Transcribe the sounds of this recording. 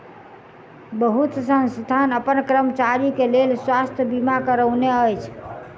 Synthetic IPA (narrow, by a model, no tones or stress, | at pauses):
bəɦut̪sə̃nst̪anəpənkɾəmt͡ʃaɾikelelswast̪ʰjəbimakəɾəwneəjt͡ʃʰ